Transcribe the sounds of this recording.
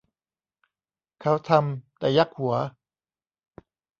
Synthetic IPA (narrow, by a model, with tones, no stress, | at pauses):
kʰa˦˥wt̪ʰa˧mt̪ɛ̰ː˨˩ja˦˥˩k̚hu˨˩˦ɐ